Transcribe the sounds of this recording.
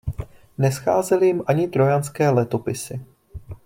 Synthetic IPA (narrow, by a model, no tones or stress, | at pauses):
nɛsxa̰ːzɛlɪjɪmʔaɲɪt̪ɾo̞janskɛːlɛt̪o̞pɪsɪ